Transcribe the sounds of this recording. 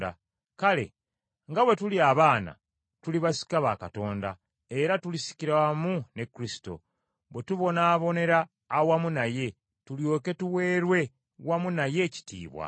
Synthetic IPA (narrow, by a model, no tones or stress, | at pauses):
da̰ | kale̞̰ | ŋɡaβwe̞tuliaβaːna̰ | tuliβasi̥kaβakato̞ːnda̰ | e̞ɾatulisi̥ciɾmune̞kːɾisi̥to̞̰ | βwe̞tuβo̞naːβo̞ne̞ɾaː | wamunaje̞ | tuljo̞ːke̞tuwe̞ːɾwe̞ | wamunaje̞ːci̥tḭːβwa̰